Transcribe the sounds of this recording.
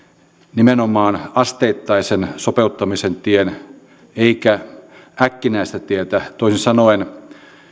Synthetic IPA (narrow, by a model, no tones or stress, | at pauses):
nimenomɑːnɑst̪eːt̪ːɑisensopeut̪ːɑmisent̪ien | eikæækːinæist̪æt̪iet̪æt̪oisinsɑnoen